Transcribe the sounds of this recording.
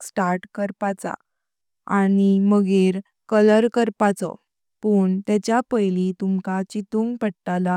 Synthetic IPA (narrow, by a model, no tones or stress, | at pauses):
sʈaɾʈkəɾpat͡sa̰ | animəɡeɾ | kələɾkəɾpat͡sɔ̰ | pəːɳt̪jɛt͡ɕjapəjlit̪umkat͡ɕit̪uŋɡpəɽʈala